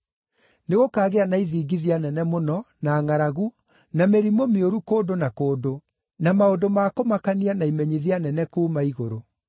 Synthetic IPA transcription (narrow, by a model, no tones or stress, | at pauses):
neɣokaːɣeanaiðiːɡiðianɛnɛmonɔnaːŋaɾaɣu | nameɾimomeoɾukoːdonakoːdo | namaodomakomakanianaimɛɲiðianɛnɛkuːmaiɣo̰ɾo